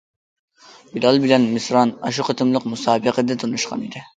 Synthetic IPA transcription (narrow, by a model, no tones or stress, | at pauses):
bilɑlˠbɪlɛnmɪsɾɑnɑʃuqʰət̪ʰɨmlˠəqmusɑːbəqəd̪ɨt̪ʰunuʃqʰɑ̰nid̪ɪ